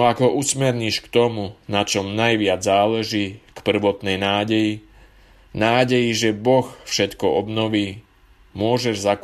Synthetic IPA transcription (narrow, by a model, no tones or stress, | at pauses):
ɔaɡɦɔʔusmɛɾɲiʃkt̪ɔmunat͡ʃɔmnajʋɪad͡zzaːlɛʒiːkpr̩ʋɔt̪nɛjnaːɟɛji | naːɟɛjiʒɛbɔxfʃɛt̪kɔɔbnɔʋiː | mʊɔʒɛʒzak